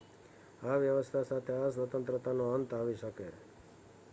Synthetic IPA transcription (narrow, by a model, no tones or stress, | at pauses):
aʋjəʋəst̪ʰasat̪ʰeasʋət̪ənt̪ɾət̪anoənt̪aʋiʃəke